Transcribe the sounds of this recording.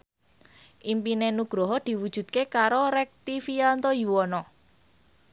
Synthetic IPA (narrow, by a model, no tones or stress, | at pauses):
ʔimpinenuɡ̥ɾɔɦɔd̪̥i̤wud̥ʒ̥ṳt̪̚kekaɾoɾɛk̚t̪ifiant̪ɔjuwɔnɔ